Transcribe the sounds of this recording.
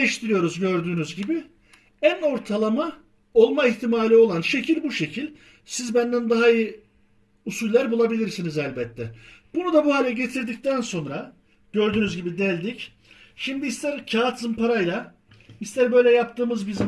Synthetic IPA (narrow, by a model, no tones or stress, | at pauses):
ɛʃt̪ʰiɾijo̞ɾuzɟø̞ɾd̪yːnyzɟibi | æno̞ɾt̪ʰalˠama | o̞lˠmaiçt̪ʰimaːlʲio̞lˠanʃe̞cʰilʲbuʃe̞cʰilʲ | sizbænd̪ænd̪aɦaiji | usulʲlːʲæɾbulˠabilʲiɾsinizælʲbɛt̪ʰːɛb̥unud̪abuɦaːlʲɛɟe̞t̪ʰiɾd̪ic̚t̪ænso̞nɾa | ɟø̞ɾd̪yːnyzɟibid̪ɛlʲd̪ic | ʃimd̪iːst̪ʰæɾcʰaːt̪ʰzɯmpʰaɾajlˠa | ist̪ʰæɾbø̞jlʲɛjap̚t̪ʰɯːmɯzbizi